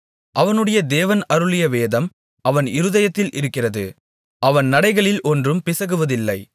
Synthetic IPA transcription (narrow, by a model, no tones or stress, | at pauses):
ʔɐʋɐnɯɽɐjɐd̪eːʋɐnɐɾɯɭɪjɐʋeːðɐm | ɐʋɐnɪɾɯðɐjɐt̪ːɪlʔɪɾɯkːɪrɐðɯ̰ | ʔɐʋɐnnɐɽɐɪɣɐɭɪlʔɔndrɯmpɪsɐɣɯʋɐðɪlːɐɪ